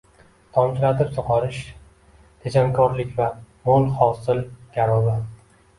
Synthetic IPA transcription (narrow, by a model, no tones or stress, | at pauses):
t̪ʰɒmt͡ʃʰɪlat̪ʰɪpsoqʰɒɾɪʃ | t̪ʰed͡ʒaŋkʰɒɾlɪkʲvamolˠhɒsɪlɡʲaɾɒbɪ